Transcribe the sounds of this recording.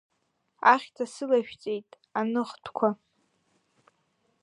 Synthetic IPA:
aχʲtʰasɨlaʃᶣt͡sʼe̞jtʼ | anɨχtʰkʷʰa

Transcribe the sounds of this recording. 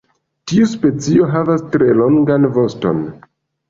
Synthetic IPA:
tiuspe̞t͡sio̞ɦavastɾe̞lo̞ŋɡanvo̞sto̞̰n

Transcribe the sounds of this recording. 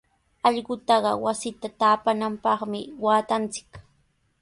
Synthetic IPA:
ɑʎɢʊt̪ɑɢɑwasɪt̪at̪aːpanampɑχmɪwaːt̪ant͡sɪ̥k

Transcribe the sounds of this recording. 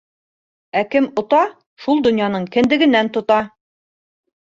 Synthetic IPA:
ækɘmŏt̪ɑ | ʃulˠd̪ŏnjɑnɤɴkɘ̆nd̪ɘ̆ɡɘ̆nːænt̪ŏt̪ɑ

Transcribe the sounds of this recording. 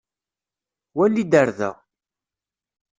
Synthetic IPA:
wælːid̪əɾðæ̰

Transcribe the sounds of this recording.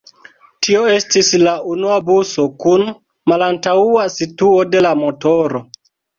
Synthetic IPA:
tʰio̞e̞stislaunuabuso̞kun | malantauasituo̞de̞lamo̞to̞ɾo̞

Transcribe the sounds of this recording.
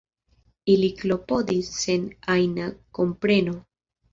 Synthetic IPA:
iliklo̞po̞d̪isːe̞najnako̞mpɾe̞no

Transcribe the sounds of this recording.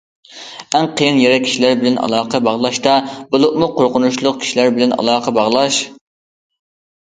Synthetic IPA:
æŋqʰəjinjeɾɛkʲʰi̥ʃilæɾbɪlɛnʔɑ̰lˠɑːqʰɑbɑʁlˠɑʃt̪ɑbʊlˠʊʔmʊqʰoɾqʊnuʃlˠʊq̚kʲʰi̥ʃilæɾbɪlɛnɑ̰lˠɑːqʰɑbɑʁlˠɑʃ

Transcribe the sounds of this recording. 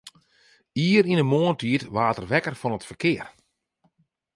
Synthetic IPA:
iːəɾinəmoːəntʰiətʋaːtərʋɛkərfɔnətfərkɪər

